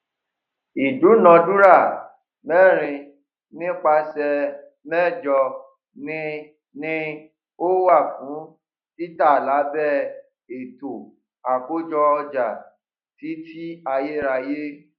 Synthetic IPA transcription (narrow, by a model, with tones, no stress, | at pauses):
i˨d͡ʒu˨˦nɔ̃˧dũ˦ɾa˦˨ | mɛ˦˨ɾ̃ĩ˧ | nĩ˦k͡pa˧sɛ˧ | mɛ˦˨d͡ʒɔ˧ | nĩ˦ | nĩ˦ | o˦wa˦˨fũ˨˦ | i˦ta˦˨la˨˦bɛ˦˨ | e˨to˨ | a˨ko˦d͡ʒɔ˧ɔ˧d͡ʒa˨ | ti˨˦fi˦a˧je˦ɾa˧je˦